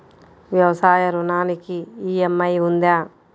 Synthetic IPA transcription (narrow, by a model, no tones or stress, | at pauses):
ʋjɐʋɐsaːjɐɾunaːnikiːemːɐjund̪aː